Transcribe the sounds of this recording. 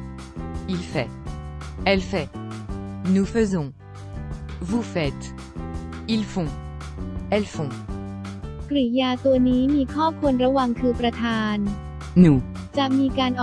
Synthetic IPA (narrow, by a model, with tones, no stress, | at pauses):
i˧lfɛ˨˩ | ɛ˧lfɛ˧ | nu˧fə˧zɔ̃˨ | vu˧fɛ˨˩t̪ | i˧lfɔ̃˧ | ɛ˧lfɔ̃˧ | kɾi˨˩˦jaː˧t̪u˧ɐniː˦˥miː˧kʰɔː˥˩kʰu˧nɾa˧wa˧ŋkʰɯː˧pɾa˧t̪ʰaː˧n | nu˨˩ | t͡ɕa˨˩miː˧kaː˧nʔɔ˨˩